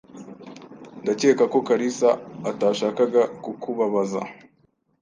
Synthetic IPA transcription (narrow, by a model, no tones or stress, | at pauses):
ndace̞kako̞kaɾisaːtaːʃaːkaɡakukuβaβaza̰